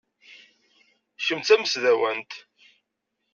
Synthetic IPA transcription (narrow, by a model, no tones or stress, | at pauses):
ʃəmt͡sæməsðæwænt̪